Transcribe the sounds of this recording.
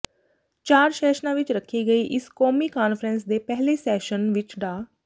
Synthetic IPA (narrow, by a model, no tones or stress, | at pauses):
t͡ʃaːɾsɛːʃnãːʋɪt͡ʃɾəkʰːiːɡəiːʔɪskoːmiːkaːnpʰɾɛ̃nsd̪eːpɛɦleːsɛːʃənʋɪt͡ʃɖaː